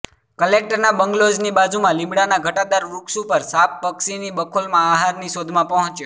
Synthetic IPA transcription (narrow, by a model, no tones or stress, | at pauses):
kəlek̚ʈəɾnabəŋɡlod͡ʒnibad͡ʒumãlĩmɽanaɡʱəʈad̪aɾʋuksupəɾsappəksinibəkʰolmãːɦaɾniʃod̪ʱmãpəɦɔ̃t͡ʃjo